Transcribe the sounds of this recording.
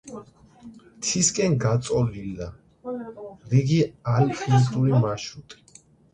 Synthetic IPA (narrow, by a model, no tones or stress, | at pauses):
t̪ʰiskʼɛnɡat̪sʼɔlild̪a | ɾiɡialpʰʼint̪ʼuɾimaʃut̪ʼi̥